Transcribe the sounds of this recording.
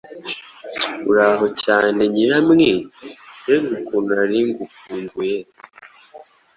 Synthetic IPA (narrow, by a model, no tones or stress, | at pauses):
ṵɾaːɦo̞caːne̞ɲiɾamŋedezukunaɾiŋɡukundue